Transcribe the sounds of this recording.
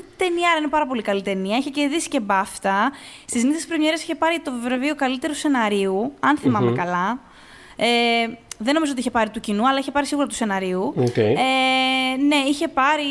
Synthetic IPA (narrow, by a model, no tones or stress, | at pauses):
t̪e̞niɐɾɐinepɐɾɐpo̞likɐlit̪e̞niɐiçece̞ðisi̥ce̞bɐft̪ɐst̪izmiθespɾoɲeɾiesiçe̞pɐɾit̪o̞vevɾeviokɐlit̪e̞ɾuse̞nɐɾiuɐnθimɐmekɐlɐ | eðeno̞mizooiçe̞pɐɾit̪ucinuɐlɐiçe̞pɐɾisiɣuɾɐt̪u̥se̞nɐɾiuokee | ne̞içe̞pɐɾi